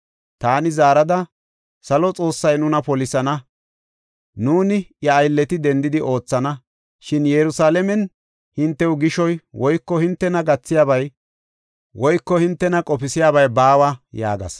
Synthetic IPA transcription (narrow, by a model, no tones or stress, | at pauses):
t̪aːnɪzaːɾɐd̪ɐ | sɐlɔt͡sʼo̞ːsːɐjnʊnɐpɔlɪsɐnɐ | nuːnɪjɐːjlːɛt̪ɪd̪ɛnd̪ɪd̪ɪʔo̞ːt͡sːɐnɐ | ʃɪnjɛɾʊsaːlɛmɛn | hɪnt̪ːɛwɡɪʃɔjwɔjkːɔhɪnt̪ːɛnɐɡɐt͡sːɪjaːbɐj | wɔjkːɔhɪnt̪ːɛnɐkʼɔpɪsɪjaːβɐjbaːwɐja̰ːɡɐ̰s